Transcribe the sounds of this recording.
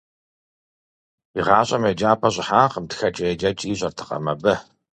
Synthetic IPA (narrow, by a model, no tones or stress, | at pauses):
iʁɑːɕʼɐmed͡ʒaːpʰɐɕʼɪħaːqəmtxɐt͡ʃʼɐjɛd͡ʒɐt͡ʃʼiːɕʼɐrtʰɨ̥qʼɐ̰mɐbɐ